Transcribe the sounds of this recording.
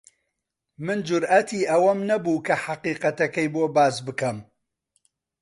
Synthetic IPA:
mɨnd͡ʒʊɾʔɐt̪ʰiːʔɐwɐmnɐbuːkʰɐħaqiːqɐt̪ɐkɐjboːbaːzbɨkɐm

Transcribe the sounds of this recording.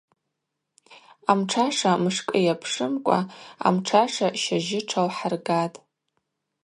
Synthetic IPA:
amʈ͡ʂʰaʂamɨʂkʼɨjapʰʂɨmkʷʼa̰a̰mʈ͡ʂʰaʂaʃaʒɪʈ͡ʂʰalħarɡatʼ

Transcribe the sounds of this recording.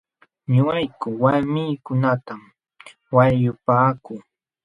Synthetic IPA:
ɲʊajkʊwaɾmɪːkʊnat̪am | wajʊpaːkʊː

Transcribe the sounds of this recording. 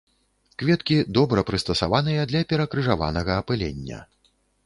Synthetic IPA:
kvʲɛt̪kʲid̪ɔbɾɐpɾɨst̪ɐsa̰van̪ɨjɐd̪lʲɐpʲɛɾɐkɾɨʐava̰nɐɣɐːpɨlʲɛ̰nʲːɐ̰

